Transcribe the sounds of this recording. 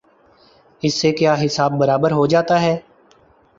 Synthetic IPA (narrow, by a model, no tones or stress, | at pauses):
ɪsːekjaːɦɪsaːb̚ːəɾaːbəɾɦod͡ʒaːt̪aɦɛː